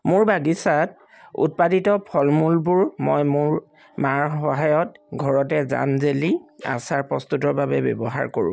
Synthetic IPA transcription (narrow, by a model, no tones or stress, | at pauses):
mʊɹbaɡisat̚ | ṵt̚paditɔpʰɔlmulbʊɹmɔjmʊɹ | maɹxɔɦajɔtɡʱɔɹɔtɛza̰nzelia̰saɹpɹɔst̪utɔɹbabɛbɔ̰bɔɦa̰ɹkoɹʊ̰̃